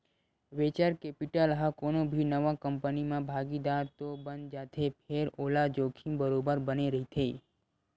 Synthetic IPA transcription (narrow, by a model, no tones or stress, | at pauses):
ʋet͡ʃaɾkepiʈəlɦakonobʱinəʋãkəmpənimãbʱaɡid̪aɾt̪obənd͡ʒat̪ʰepʰeɾolad͡ʒokʰĩmbəɾobəɾbəneɾəɦit̪ʰei